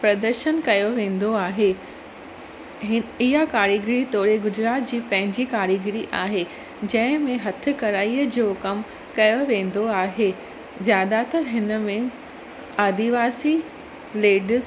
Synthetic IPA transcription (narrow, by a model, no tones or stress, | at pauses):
pɾɐd̪əɾʃənkɐjoʋẽːn̆d̪oaːɦe | ɦɪɦakaːɾjiɡɪɾit̪ɔːɾeɡʊd͡ʑɾaːt̪d͡ʑiːpɐ̃ɦɪ̃ɲd͡ʑikaːɾiɡɪɾiʔaːɦe | d͡ʑɐ̃ɦɪ̃mẽɦɐt̪ʰɪ̆kɐɾaːiəd͡ʑokɐm | kɐjoʋẽːn̆d̪oaːɦe | zjaːd̪at̪ɐɾɦɪnə̆mẽ | aːd̪iʋaːsi | leːɖz